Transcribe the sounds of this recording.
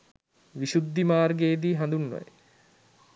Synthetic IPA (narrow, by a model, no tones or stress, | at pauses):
ʋiɕud̪ːimaːrɡeːd̪iːɦand̪unːo̰j